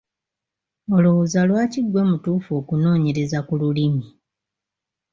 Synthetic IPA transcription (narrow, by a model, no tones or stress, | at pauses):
o̞luwuzalwaːciɡwe̞mutuːfo̞ːkuno̞ːɲe̞ɾe̞zakululimi